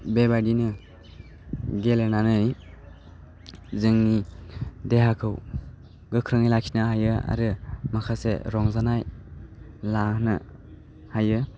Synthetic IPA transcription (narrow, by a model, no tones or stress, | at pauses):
bebadinɯ | ɡelenanɯj | zɯŋnideɦakʰɯw | ɡɯkʰɾɯŋajlakʰi̥naɦajɯa̰ɾɯmakʰasḛɾɔŋzanaj | lahnɯ | hajɯ